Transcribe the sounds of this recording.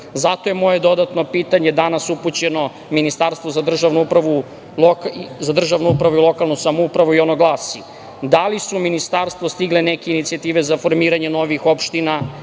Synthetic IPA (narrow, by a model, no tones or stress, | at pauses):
zat̪o̞jemo̞je̞d̪o̞d̪at̪no̞piːt̪aɲe̞d̪anasuput͡ɕe̞no̞ | minist̪aɾst̪vozad̪r̩ʒaʋnuupɾaʋu | lokzad̪r̩ʒaʋnuupɾaʋuilˠo̞kalˠnusamoupɾaʋuio̞noɡlˠaːsi | d̪alisuminist̪aɾst̪ʋo̞st̪iɡlenekeinit̪siat̪iːʋe̞zafo̞ɾmiːɾaɲe̞no̞ʋixo̞pʃt̪ina